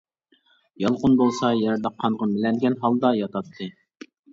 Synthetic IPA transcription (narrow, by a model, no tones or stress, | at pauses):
jɑlˠʁʊnbolˠsɑjɛɾd̪ɑqʰːɑnʁɑmɪlɛnɡʲɛnɦɑlˠd̪ɑjɑt̪ʰɑt̪ʰːɨ